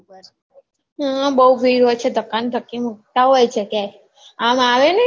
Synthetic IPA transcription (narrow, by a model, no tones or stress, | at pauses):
ɦəbəuʋiɾod̪t͡ʃʰed̪ʱəkːand̪ʱəkːimuk̚t̪aɦojt͡ʃʰeke | amaʋenə